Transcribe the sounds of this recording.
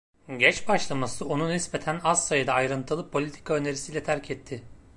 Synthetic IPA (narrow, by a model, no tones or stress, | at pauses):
ɟɛt͡ʃbaʃlˠamasɯo̞nunisbet̪ʰænassajɯd̪aːjɾɯnt̪ʰɯlˠɯpʰo̞lʲit̪ʰi̥kʰaø̞ne̞ɾisijlʲɛt̪ʰæɾcʰɛt̪ʰːɪ